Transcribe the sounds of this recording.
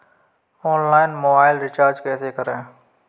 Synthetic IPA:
ɔːnlaːɪnmoːbaːɪlɾɪt͡ʃaːɾd͡ʒkɛːsekəɾẽː

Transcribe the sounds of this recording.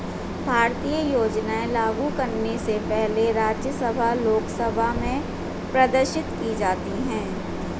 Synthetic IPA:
bʱaːɾt̪iːjəjoːd͡ʒnaẽlaːɡukɐɾnesepɛɦleɾaːd͡ʒjəsəbʱaloːksəbʱamẽ | pɾɐd̪əɾʃɪt̪kid͡ʒaːt̪iɦɛ̃ː

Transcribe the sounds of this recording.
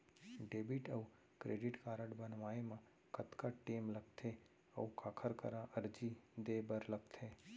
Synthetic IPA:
ɖeːbɪʈəu | kɾeːɖɪʈkaːɾəɖbənʋaːemã | kət̪kaʈeːmləɡ̚t̪ʰeː | ɐ̰ukaːkʰəɾkə̰ɾãʔəɾd͡ʒid̪eːbəɾləɡ̚t̪ʰeː

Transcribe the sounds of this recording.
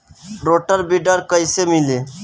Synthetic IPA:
ɾoːʈəɾbiɖəɾkəjsemile

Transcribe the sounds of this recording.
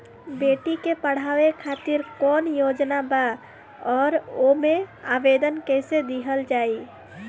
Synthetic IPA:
beʈikepəɽ̤awekʰat̪iɾkɔnjod͡ʒnaba | ɔːɾomeabed̪ənkɛɪsed̪iɦəld͡ʒai

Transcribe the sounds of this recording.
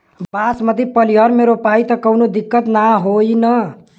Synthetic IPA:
basmət̪ipəlijəɾmeɾopait̪əkəwnod̪ikːət̪naɦoinə

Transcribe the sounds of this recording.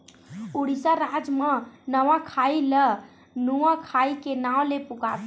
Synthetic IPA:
uɽisaɾad͡ʒmənəʋãkʰailə | nuãkʰaikenawlepukat̪ʰ

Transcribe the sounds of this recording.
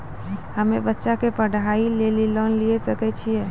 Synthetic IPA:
həmebətːʃakepəɽ̤ʱailelilənliɛsəkɛt͡ʃʰijɛ

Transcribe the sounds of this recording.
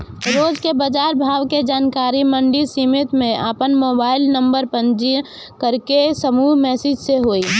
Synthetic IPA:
ɾoːd͡ʒkebəd͡ʒaːɾbʱaːʋked͡ʒaːnkaːɾimə̃ɳɖisimɪt̪mẽʔəpənmoːbaːɪlnə̃mbəɾpə̃ɲd͡ʒi | kəɾkesəmuːɦmɛːsɪd͡ʒseɦoːi

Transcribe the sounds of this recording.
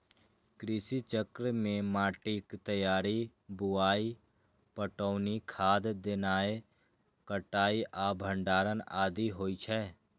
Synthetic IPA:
kɾɪsit͡ʃəkɾəmẽmaːʈikt̪əjaːɾi | bʊaːi | pəʈɔːnikʰaːd̪d̪enaːe | kəʈaːiʔaːbʱə̃ɳɖaːɾənaːd̪iɦoːit͡ʃʰɛː

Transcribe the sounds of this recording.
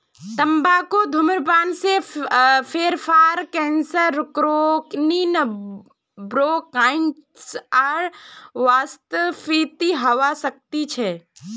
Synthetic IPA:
t̪ɐmbakod̪ʱʊməɾpaːnse | pʰeːɾpʰaːɾkɛ̃ːnsəɾkɾoːknin | bɾoːkaːɪn | saɾʋaːst̪əʋit̪iɦɐʋasɐk̚t̪it͡ʃʰɛ

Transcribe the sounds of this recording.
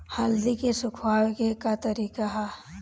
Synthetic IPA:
hald̪ikesʊkʰwaːwkekat̪ɐɾiːkaɦɛ

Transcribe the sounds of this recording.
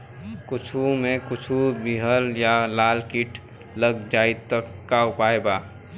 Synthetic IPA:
kʊt͡ʃʰumẽkʊt͡ʃʰubiɦəljalaːlkiʈʰ | ləɡd͡ʒaːit̪əkːaʊpaːebaː

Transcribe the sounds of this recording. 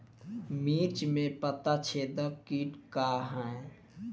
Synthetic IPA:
miːt͡ʃmẽpət̪at͡ʃʰeːd̪əkiːʈkaːɦɛ̃

